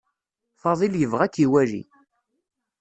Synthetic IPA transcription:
fɑðˤiljəvʁækːiwæʒḭ

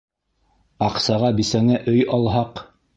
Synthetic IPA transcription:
ɑqsɑʁɑbisæŋæʔɵjɑlˠɦɑq

